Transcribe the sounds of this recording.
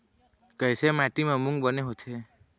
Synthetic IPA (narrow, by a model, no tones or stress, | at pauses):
kəjsemaʈimãmũŋɡbəneɦot̪ʰe